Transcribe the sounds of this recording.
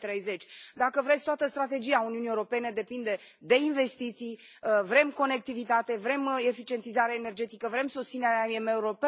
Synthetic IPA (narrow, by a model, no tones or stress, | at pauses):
t̪ɾe̞jze̞t͡ʃʲd̪akəvɾet̪sʲt̪oat̪əst̪ɾat̪e̞d͡ʒijauniuniewɾope̞ne̞d̪e̞pind̪e̞ | d̪e̞inve̞st̪it̪sij | əvɾe̞mko̞ne̞k̚t̪ivit̪at̪e̞vɾe̞me̞fit͡ʃie̞nt̪izaɾeaene̞rd͡ʒe̞t̪ikəvɾe̞msust̪sineɾeaiemeuɾope